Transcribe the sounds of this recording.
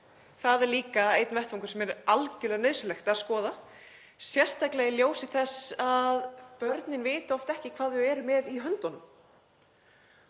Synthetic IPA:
θaðɛɾliːkaejt̪nvɛht̪fɔŋkʏɾ̥sɛmɛɾalcʏlɛɣanɪːðsʏlɛxt̪aðskɔːða | sjɛr̥st̪aklɛɣɪljoːwsɪθɛsaðpœɾt̪nɪnveːt̪ɪɔft̪ɛhcɪkʰv̥aːðʏɛːɾʏmɛðiɦœnt̪ɔnʏm

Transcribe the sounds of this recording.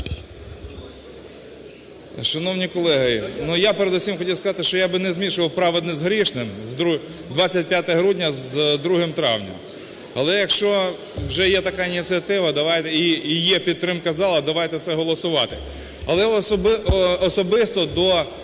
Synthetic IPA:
ʃɐnɔwnʲikɔlˠɛɦɐinujapeɾed̪usʲimxɔtʲiwskɐzɑt̪ɪʃt͡ʃɔjabɪnɛzʲmʲiʃʊʋɐwpɾɑʋɪd̪nɪzɦɾʲiʃnɪmzu | d̪ʋɑt͡sʲːɐt̚ʲpʲjat̪ɛɦɾudʲnʲɐzd̪ɾuɦɪmt̪ɾɑ̰wnʲɐ̰m | ɐlˠɛjɐkʃt͡ʃɔ | wʒɛjɛt̪ɐkɑinʲit͡sʲiɐt̪ɪʋɐd̪ɐʋɑjt̪ɛiijɛpʲid̪t̪ːɾɪmkɐzɑlˠɐd̪ɐʋɑjt̪ɛt̪sɛɦɔlˠɔsʊʋɑt̪ɪ | ɐlˠɛbːsɔbɪst̪ɔd̪ɔ

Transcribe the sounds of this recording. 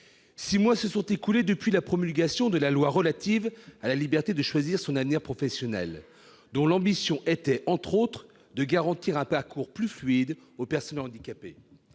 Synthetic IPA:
simwɛ̃səsɔ̃t̪ekuled̪əpɥilapχɔmylɡʲasjɔ̃d̪əlalwaʁəlat̪ivalalibɛʁt̪ed̪əʃwaziʁsɔ̃navniʁpχɔfɛsjɔnɛ̰l | d̪ɔ̃lɑ̃bisjɔ̃ʔɛt̪ɛʔɑ̃t̪χot̪χ | d̪əɡaʁɑ̃t̪iʁɛ̃paʁkuʁplyflɥid̪ | opɛʁsɔnɑ̃d̪ikʲape

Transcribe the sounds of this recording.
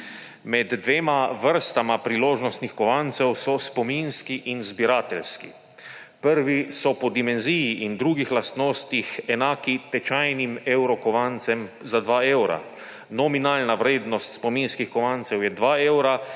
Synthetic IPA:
mɛd̪ːʋeːmaʋəɾst̪amapɾiloːʒnɔst̪nixkɔʋant̪sɛwsɔspɔminskiʔinzbiɾaːt̪ɛlskḭ | pəɾʋisɔpɔd̪imɛnzijiʔind̪ɾuːɡixlast̪noːst̪ixɛnaːkit̪ɛt͡ʃajnimɛwɾɔkɔʋant̪sɛmzad̪ʋaːɛwɾa̰ | nɔminaːlnaʋɾeːd̪nɔst̪spɔminskixkɔʋant̪sɛwjɛd̪ʋaːɛwɾa

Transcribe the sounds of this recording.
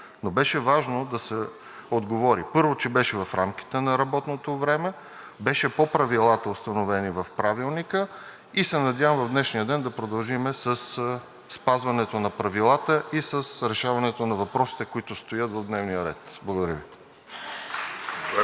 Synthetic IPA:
nobɛʃɛvaʒnod̪ɐsɛ | od̪ɡovɔɾipɤɾvot͡ʃɛbɛʃɛvɐfɾamk̟i̥t̪ɛnɐɾɐbɔt̪not̪ovɾɛmɛ | bɛʃɛpopɾɐvilˠat̪əʊst̪ɐnovɛnivɐfpɾavilˠnikə | isɛnɐd̪ʲjavə̃mvɐvd̪nɛʃnijəd̪ɛnd̪ɐpɾod̪ɐlˠʒimɛsəs | spazvɐnɛt̪onɐpɾɐvilˠat̪əʔisəsɾɛʃavɐnɛt̪onɐvɐpɾɔsi̥t̪ɛkoit̪ʊst̪ojɤt̪vɐvd̪nɛvnijəɾɛ̰t̪blˠɐɡod̪ɐɾʲjəvi

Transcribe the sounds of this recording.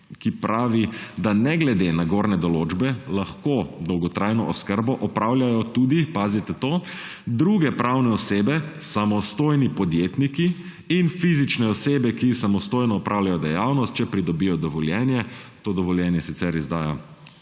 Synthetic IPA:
kipɾaːʋid̪anɛɡlɛd̪enaɡoɾnɛd̪ɔloːd͡ʒbɛlaxkod̪ɔwɡɔt̪ɾaːjnɔʔɔskəɾbɔʔɔpɾaːwljajɔt̪ud̪ipaːzit̪ɛt̪o | d̪ɾuɡɛpɾawnɛɔseːbɛsamɔst̪oːjnipɔd̪jet̪nikiː | nfizit͡ʃnɛɔseːbɛkisamɔst̪oːjnɔːpɾʔaːwlʲjajɔd̪ɛjawnɔst̪̚t͡ʃɛpɾid̪ɔbijɔd̪ɔʋɔljɛnjɛt̪oːd̪ɔʋɔljɛnjɛsit̪sɛɾizd̪aːja

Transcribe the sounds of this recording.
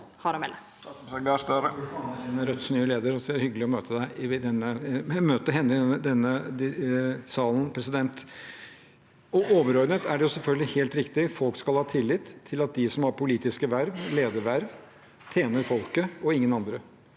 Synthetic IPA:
hɑɾɔmɛlːə | sɡɑːst̪əɾəɑɪnəɾœt̪snyːəleːd̪əɾɔsɛæɾhʏɡəlɪɔmøːt̪ʰəd̪æɪd̪ɛnːəmøːt̪əɦɛnːɪəd̪ɛnːəsɑːln̩pʰɾɛsɪd̪ɛnt̪ | ɔʔoːʋəɾɔɾd̪nət̪ʰæɖɛjʊsɛlfœlɡ̪lɪheːlt̪ɾɪkt̪ɪfɔlkskɑlhɑːt̪ʰɪlːɪt̪ʰːɪlɑt̪̚d̪ɪsɔmhɑɾpʰʊliːt̪ɪskəʋæɾʋleːd̪əɾʋæɾʋ | t̪ʰjeːnəɾfɔlkəɔɪŋːənɑnd̪ɾə

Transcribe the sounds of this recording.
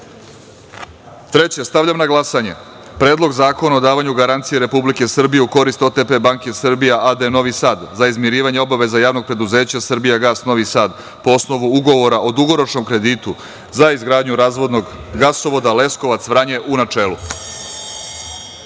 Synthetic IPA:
t̪ɾe̞t͡ɕe̞st̪aʋʎamnaɡlˠasaɲe̞̰ | pɾe̞ːd̪lˠo̞ɡzaːko̞naod̪aːʋaɲuɡaɾant̪sijeɾe̞publike̞sr̩bijeuko̞ɾist̪o̞t̪epe̞baŋke̞srbijaʔad̪eeno̞ʋisaːd̪zaizmiɾiːʋaɲeo̞baʋe̞zajaːʋno̞ɡ̚pɾe̞d̪uze̞ːt͡ɕasr̩bijaɡaːsno̞ʋisaːd̪ | po̞osno̞ʋuuɡo̞ʋo̞ɾaʔod̪uɡo̞ɾo̞t͡ʃno̞mkɾe̞d̪iːt̪u | zaizɡɾaːd̪ɲuɾaːzʋo̞d̪no̞ɡ | ɡasoʋo̞d̪ale̞sko̞ʋat̪sʋɾaɲe̞ʔunat͡ʃe̞ːlˠu

